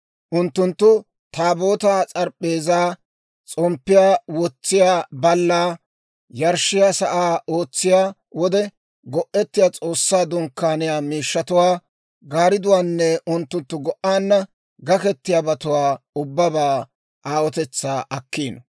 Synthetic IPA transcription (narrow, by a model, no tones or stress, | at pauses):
ʔʊnt̪ːʊnt̪ːʊ | t̪aːboːt̪aːt͡sʼɐɾpʼːeːzaː | t͡sʼɔmpːɪjaːwɔt͡sːɪjaːbɐlːaː | jɐɾʃɪjaːsɐʔaːo̞ːt͡sːɪjaː | wɔd̪ɛ | ɡɔʔɛt̪ːɪjaːt͡sʼo̞ːsːaːd̪ʊŋkːaːnɪjaːmiːʃːɐt̪ʊwaː | ɡaːɾɪd̪ʊwaːnːɛʊnt̪ːʊnt̪ːʊɡɔʔaːnːɐ | ɡɐkɛt̪ːɪjaːbɐt̪ʊwaːʊbːɐbaː | ʔaːwɔt̪ɛt͡sːaːʔɐkːiːnɔ